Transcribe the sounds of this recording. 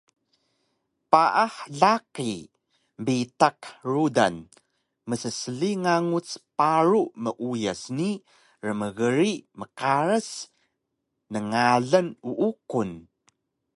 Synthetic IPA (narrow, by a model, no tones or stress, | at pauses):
paʔaħɮaki | mbitakruda̰n | məsəsəɮiŋaŋut͡spaɾuʔməʔujasni | rəməɣəɾiməkaɾəs | nəŋaɮənuʔukun